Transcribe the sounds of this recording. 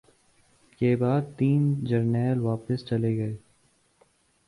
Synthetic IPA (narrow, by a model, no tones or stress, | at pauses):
keːbaːd̪̚t̪iːnd͡ʒɐɾnɛːlʋaːpəst͡ʃɐleɡɐeː